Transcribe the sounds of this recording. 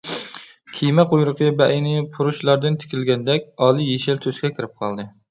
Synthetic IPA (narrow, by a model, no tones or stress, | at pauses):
kʲʰijmɛqʰojɾʊqʰəbɛʔinɪpʰuɾuʃlˠɑɾd̪ɨnt̪ʰɪ̥kʲʰilɡʲɛnd̪ɛkʲɑːlˠɨjeʃɪɾt̪ʰøskʲɛkʲʰɪɾɪp̚qʰɑ̰lˠd̪ɨ